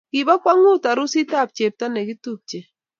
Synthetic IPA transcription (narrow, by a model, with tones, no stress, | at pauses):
ki˨βa˦kwa˦ŋu˦ta˨ɾu˦si˦ta˦˨p̚t͡ʃe˨p̚ta˦nɛ˨ki˦tu˦˨p̚t͡ʃe˨